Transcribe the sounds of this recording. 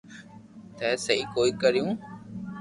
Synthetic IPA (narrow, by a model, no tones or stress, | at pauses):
t̪ɛːsəiːkoːiːkəɾɪjũː